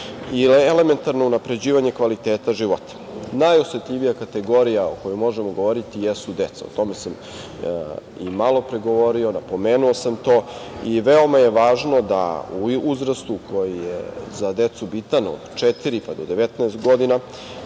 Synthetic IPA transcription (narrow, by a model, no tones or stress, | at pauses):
ilele̞me̞nt̪aɾnounapɾe̞d͡ʑiːʋaɲe̞kʋalit̪eːt̪aʒiʋo̞t̪ḁnajoset̪ʎʲiʋijakat̪e̞ɡo̞ɾijao̰kojojmo̞ʒemoɡo̞ʋoɾit̪ijesud̪et̪sao̰t̪o̞mesam | imalo̞pɾeɡoʋo̞ɾio̞napo̞meːnuosamt̪o̞ːiʋeo̞maje̞ʋaːʒno̞d̪a̰uuzɾast̪uko̞jijḛzad̪et̪subit̪ano̰d̪t͡ʃet̪iɾipad̪o̞d̪e̞ʋet̪naɛːst̪ɡo̞d̪ina